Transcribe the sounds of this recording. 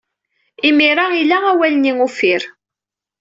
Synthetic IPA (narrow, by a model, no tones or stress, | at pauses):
imiɾailaæwæləniŋufiɾ